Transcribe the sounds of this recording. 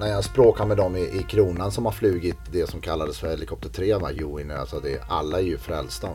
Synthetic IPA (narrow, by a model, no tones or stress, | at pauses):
næɾjaspɾoːkaɾmɛd̪ɔmːɪʔɪkʰɾuːnansɔmhaɾflʉ̟ːɡɪt̪d̪ɛsɔmkʰalːad̪əsfœɾhɛlɪkʰɔp̚t̪əʈʰɾeːna̰juːɪna̰lsɔd̪ɛa̰lːaɛɾjɵfɾɛlst̪a